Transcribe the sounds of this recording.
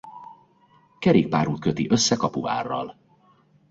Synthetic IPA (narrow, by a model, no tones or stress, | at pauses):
kɛɾeːk̚paːɾuːt̪køt̪iʔø̞sːɛkɒpua̰ːrːɒ̰l